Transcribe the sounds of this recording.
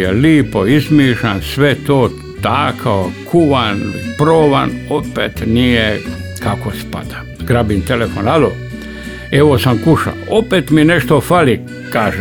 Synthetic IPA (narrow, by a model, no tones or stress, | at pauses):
jeliːpoizmiːʃansʋet̪oː | t̪aːkʰaokʰuʋanpɾoːʋanopḛːt̪nijekakospa̰d̪a | ɡ̥ɾabint̪elefonad̪o̰ | eʋosamkuʃa̰opeːt̪mineʃt̪ofali | kaːʒe